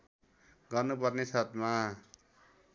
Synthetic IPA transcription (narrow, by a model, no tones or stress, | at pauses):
ɡʌrnup̬ʌrnesʌt̪ma